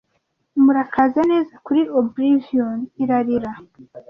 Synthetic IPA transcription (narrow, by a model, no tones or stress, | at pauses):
umuɾakʰazane̞ːzakuɾiobɾivioniɾaɾiɾa